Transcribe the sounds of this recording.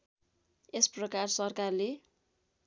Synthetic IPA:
esprʌkarsʌrkarle

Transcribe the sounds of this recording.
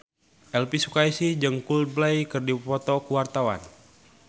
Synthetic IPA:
ʔɛlpisukaisid͡ʒɨŋkuld̪̚blajkərdipɔt̪ɔkuwart̪awa̰n

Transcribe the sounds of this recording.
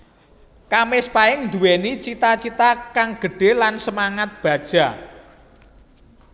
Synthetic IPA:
kamɪspaɪŋnd̪uwenit͡ʃit̪at͡ʃit̪akaŋɡ̥ə̤ɖ̥e̤lansəmaŋat̪̚b̥a̤d̥ʒ̥a̤

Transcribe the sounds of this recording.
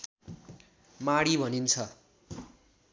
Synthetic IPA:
maɽibʱʌnint͡sʰʌ

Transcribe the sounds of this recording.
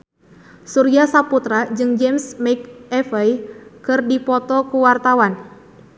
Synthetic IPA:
suɾiasaput̪ɾad͡ʒɨŋd͡ʒɛmsmɛkɛfɛjkɨrdipɔt̪ɔkuwart̪awan

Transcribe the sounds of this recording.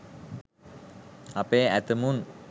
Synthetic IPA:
apeːæt̪əmun

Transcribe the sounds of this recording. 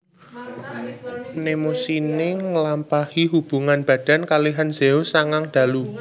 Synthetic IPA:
nemusineŋəlampahiɦub̥ṳŋanb̥a̤d̥a̤nkaliɦanz̥eosaŋaŋd̪̥ä̤lu

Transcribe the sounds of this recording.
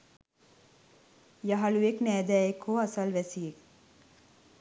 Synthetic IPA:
jaɦalujeknæːd̪æːjekhoasɐlʋæsiek

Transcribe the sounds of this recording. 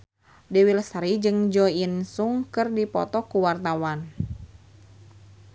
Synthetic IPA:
dɛwilsɾid͡ʒɨŋd͡ʒɔinsuŋkɨrdipɔ̰t̪ɔkuwart̪awan

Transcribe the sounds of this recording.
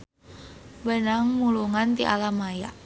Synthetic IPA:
wənaŋmuluŋant̪iʔa̰lamaja̰ʔ

